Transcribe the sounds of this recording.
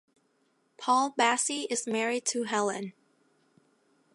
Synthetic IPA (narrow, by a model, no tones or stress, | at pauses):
pʰɔlˠbæsiʔɪzmɛɹid̚tʰɨɦɛlˠɨ̰̃n